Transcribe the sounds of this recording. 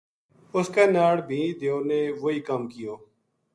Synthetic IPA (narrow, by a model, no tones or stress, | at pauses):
ʊskeːnaːɽbʱĩːd̪eoːneːʋoːiːkamkɪjoː